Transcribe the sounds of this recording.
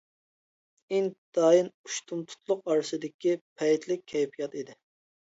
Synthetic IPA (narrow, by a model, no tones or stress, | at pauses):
iŋd̪̥ɑːjinuʃt̪ʰumt̪ʰu̥t̪ʰlˠʊqɑːɾɨsɨd̪ɪkʲipʰɛjt̪ʰlɪkʲʰːɛjpʰijɑt̪id̪ɪ